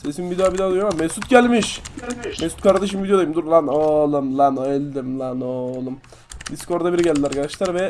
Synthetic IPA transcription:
sesinvid̪eabid̪azjomammːɛsut̪ɟælʲmiʃmɛsut̪̚kʰaɾd̪aʃ̬ɯmvid̪ejoajimd̪uɾlˠanolˠɯmlˠanɛlʲd̪imlˠanolˠum | d̪iskoɾd̪abiɾiɟɛlʲd̪ilʲaɾkʰad̪aʃlˠaɾvɛ

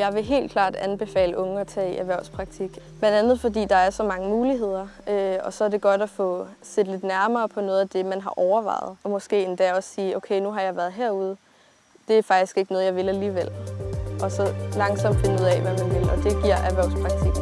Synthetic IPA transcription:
jɑ̈ɪʋe̝ɦe̝̰ːldkʰlɑ̰̈ːd̥ænb̥e̝fɛ̰ːləʔɔ̽ŋəɒt͡sʰɛ̰ːiʔæʋæɐʊspʰʁɑ̈ɡ̥̚t͡sʰiɡ̥b̥lænd̥ænð̩ˠfɒ̽dḭːd̥ɑ̈æɐsɒ̽mɑ̈ŋəmuːliɦe̝ð̞̰ˠɐøɒ̽sɒ̽æɐd̥e̝ɡ̥ɒ̽d̥æfɔ̽se̝d̥le̝d̥næɐmɐːpʰɒ̽nɔ̽ːð̩ˠæd̥e̝mænɦɑ̈ʔɒʊɐʋɑ̰̈ɪ̰ð̞̩ˠɒmɒ̽sɡ̥e̝̰ːend̥æɒ̽siːoʊkʰeɪnuɦɑ̈jɑ̈ɪʋæɐðˠɦeɐ̰uð̞ˠ | d̥e̝æɐfɑ̈ɡ̥d̥isɡ̥e̝ɡ̥nɔ̽ðˠjɑ̈ɪʋe̝læliːʋel̰ʔɒ̽sɒ̽lɑ̈ŋsɒ̽m̰d̥fe̝nəuð̰ˠɛʋæmænʋe̝lɒ̽d̥e̝ɡ̥iɐ̰ʔæʋæɐʊspʰʁɑ̈ɡ̥̚t͡sʰiɡ̥

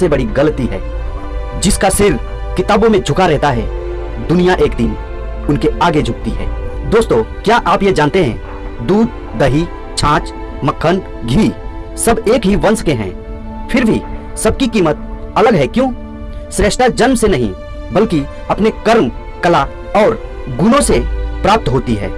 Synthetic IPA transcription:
sebɐɽiɡɐlət̪iɦɛ̰ː | d͡ʒɪskasɪɾ | kɪt̪aːbõmẽd͡ʒʱʊkaɾɛɦt̪aɦɛ̰ | d̪ʊnijaʔeːkd̪ɪn | ʊnkeaːɡed͡ʒʱʊk̚t̪iɦɛ̰ːd̪oːst̪õkjaʔaːpjed͡ʒaːnt̪eɦɛ̰̃ː | d̪uːd̪̚ | d̪ɐɦi | t͡ʃʰãːt͡ʃ | mɐkʰːən | ɡʱiː | sɐbeːkɦiʋɐ̃nskeɦɛ̰̃ː | fʰɪɾbʱi | sɐb̚kikiːmət̪̚ɐləɡɦɛkjõː | sɾeːʃʈ̪ʰad͡ʒɐnmsenɐɦḭ̃ | bɐlki | ɐpnekɐɾm | kɐla | ɔːɾ | ɡʊnõsepɾaːp̚t̪ɦoːt̪iɦɛ̰ː

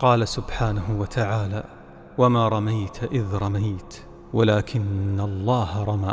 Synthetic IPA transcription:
qɑːlasʊbħaːnaɦʊwat̪ʰaʕaːlaː | wamaːɾˤɑmajt̪ʰʔɪðɾˤɑmajt̪ | walaːkʰɪnːalˤːɑːhaɾˤɑmaː

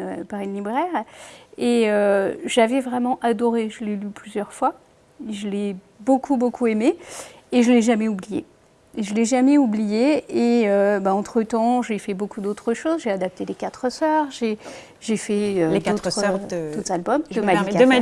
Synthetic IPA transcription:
øpaʁynlibʁɛʁeøʒavɛvʁɛmɑ̃ʔad̪ɔʁeʒəlɛlyplyzjœʁfwa | eʒəlɛ | bokʰubokʰuemeː | ʒəlɛʒamɛublijḛ | eʒəlɛʒamɛublijeeøbaɑ̃t̪χət̪ɑ̃ʒefɛbokud̪ot̪χəʃozʒead̪ap̚t̪elekat̪χəsœʁʒe | ʒefɛøed̪ot̪t̪χd̪ot̪albɔmd̪əmad̪ika

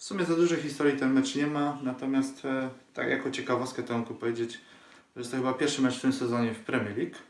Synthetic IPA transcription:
fsumʲɛzad̪uʐɛjxist̪ɔɾʲjit̪ɛnmɛt͡ʂɲɛmanat̪ɔmʲjast̪t̪ːa̰kja̰kɔt͡ɕɛkavɔst̪kɛt̪ɛɔŋkupɔvjed͡ʑet͡ɕ | ʐɛjɛst̪ɔxɘbapʲjɛɾʂɘmɛt͡ʂft̪ɘmsɛzɔɲɛfpɾɛmʲjɛɾlʲik

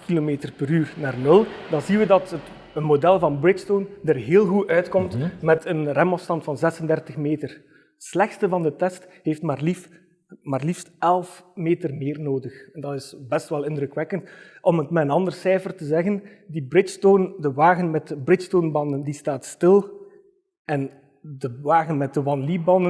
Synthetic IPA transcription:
kilomeːtərpəɾyːrnaːrnɵlˠdɑnzinʋədɑtət | ənmodɛlˠvɑnbrɪstondərɦeːlˠɣuʔœɥtkɔmtmɛtʰənrɛmɔfstɑntfɑnzɛsəndɛrtəxmeːtər | slɛxstəvɑndətɛstɦeːftmaːri | maːrlifstɛlˠfmeːtərmeːrnoːdəxɛndɑtɪsbɛstʋɛlˠɪndɾəkʋɛkəntʔɔmətmɛənɑndərsɛːfərtəzɛɣən | dibrɪstoːndəʋaːɣənmɛtəbrɪstoːnbɑndəndistaːtstɪlˠ | ɛn | dəʋaːɣənmɛt̚dəwɑnlibɑndə

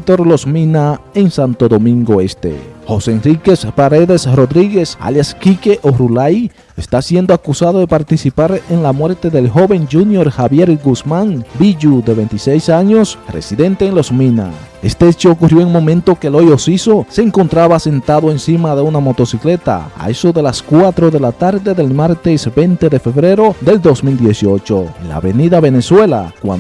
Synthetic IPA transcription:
t̪o̞ɾlo̞smĩnaeŋsant̪o̞ðo̞mĩŋɡo̞e̞st̪ḛxo̞senrike̞spaɾeðe̞sro̞ðɾiɣe̞sa̰ljaskikeʔoɾulaj | est̪asje̞nd̪oakusaðoðe̞paɾt̪isipaɾe̞nlamwe̞ɾt̪e̞ðe̞lxo̞βe̞ŋd͡ʒunjo̞ɾxaβje̞ɾɡusmaŋbiʝuðe̞βe̞jnt̪isejsaɲo̞sre̞̰siðe̞nt̪e̞ːŋlo̞smina̰ | e̞st̪eet͡ʃoːkurjo̞eŋmo̞mẽnt̪o̞kelojosiso̞se̞ːŋko̞nt̪ɾaβase̞nt̪aðoensimaðeunamo̞t̪o̞sikle̞t̪a̰a̰esoðe̞laskwat̪ɾo̞ðe̞lat̪aɾðe̞ðe̞lmaɾt̪e̞sbe̞nt̪e̞ðe̞fe̞βɾe̞ɾo̞ðe̞ld̪o̞smild̪je̞sio̞t͡ʃo̞la̰βe̞niðaβe̞ne̞swe̞la̰kwa̰

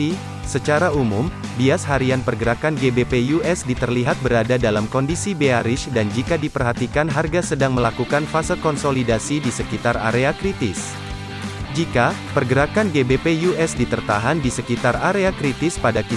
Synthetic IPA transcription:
i | sət͡ʃaɾaumumbiasɦaɾianpərɡəɾakanɡebepejuʔɛsdit̪ərliɦat̪̚bəɾadadalamkɔndisibeaɾɪʃdand͡ʒikadipərɦat̪ikanɦarɡasədaŋməlakukanfasət̪̚kɔnsolidasidisəkit̪ara̰ɾeakɾit̪ɪs | d͡ʒikapərɡəɾakanɡebepejuʔɛsdit̪ərt̪aɦandisəkit̪araɾeakɾit̪ɪspadaki

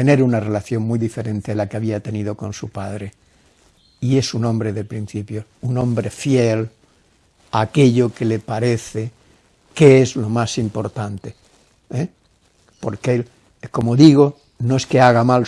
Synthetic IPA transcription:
ene̞ɾunare̞laθjo̞ŋmujðife̞ɾẽ̞nt̪eelakeaβiat̪e̞nið̞o̞kõ̞nsupaðɾe | ie̞sunõ̞mbɾe̞ðepɾin̟θipjo̞ | unõ̞mbɾe̞fjel | ake̞ʎo̞ke̞le̞paɾe̞θe | keezlo̞masimpo̞ɾt̪ant̪e | e | po̞ɾkel | ko̞mo̞ðiɣ̞o | noe̞ske̞aɣ̞amal

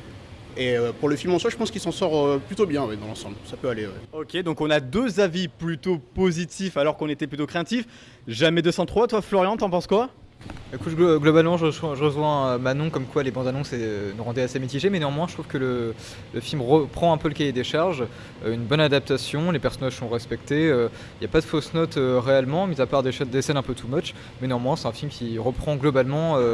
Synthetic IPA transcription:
eøpuʁləfilmɑ̃swaʒə̥pɑ̃skilsɑ̃sɔʁøplyt̪objɛ̃wɛd̪ɑ̃lɑ̃sɑ̃blsapøalewɛ̰ɔkʲed̪ɔ̃kɔ̃nad̪øzaviplyt̪opozit̪ifalɔʁkɔ̃net̪ɛplyt̪okχeat̪if | ʒamɛd̪əsɑ̃t̪χwat̪waflɔʁjɑ̃t̪ɑ̃pɑ̃skwa | ekut̪ɡlɔbalmɑ̃ʒəəzwɛ̃ʒəʁəʒwɛ̃ømanɔ̃kɔmkwalebɑ̃d̪anɔ̃senuʁɑ̃d̪ɛasemit̪iʒemɛnøɑ̃mwɛ̃ʒət̪χuv̥kələ | ləfilmʁəpχɑ̃ɛ̃pøləkajed̪eʃaʁʒ | øynbɔnad̪ap̚t̪asjɔ̃lepɛʁsɔnaʒsɔ̃ʁɛspɛkt̪eø | iljapad̪əfosnɔt̪øʁeɛlmɑ̃mizapaʁd̪eʃɛd̪esɛnɛ̃pøt̪ʰumɔt͡ʃ | mɛnøɑ̃mwɛ̃sɛ̥t̪ɛ̃filmkʲʰiʁəpχɑ̃ɡlɔbalmɑ̃ø

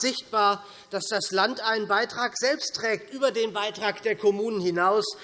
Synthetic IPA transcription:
z̥ɪçt̚b̥aːɐ | d̥asd̥aslantʔaɪnənbaɪtʁ̥aːkz̥ɛlpstʁ̥ɛːktʔyːbɐdeːnbaɪtʁ̥aːkd̥eːɐkʰɔmuːnənhɪnaʊs

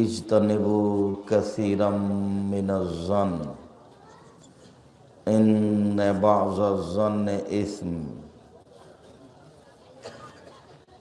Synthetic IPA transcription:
ɪd͡ʒt̪anɪbʊkaθiːɾamɪnazˤːan | ɪnːebaʕzˤazˤanːʔɪsm

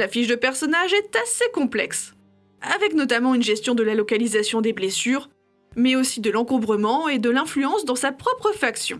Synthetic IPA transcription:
afiʃd̪əpɛʁsɔnaʒɛt̪asekɔ̃plɛks | avɛknɔt̪amɑ̃ynʒɛst̪jɔ̃d̪əlalɔkalizasjɔ̃d̪eblesyːʁ | mɛosid̪əlɑ̃kɔ̃bʁəmɑ̃ed̪əlɛ̃flyɑ̃sd̪ɑ̃sapχɔpχəfaksjɔ̰̃

